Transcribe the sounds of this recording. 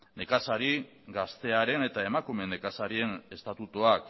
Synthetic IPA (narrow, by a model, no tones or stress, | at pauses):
ne̞kasaɾi | ɡast̪e̞aɾe̞ne̞t̪ae̞makume̞ne̞kasaɾie̞ne̞st̪at̪ut̪oak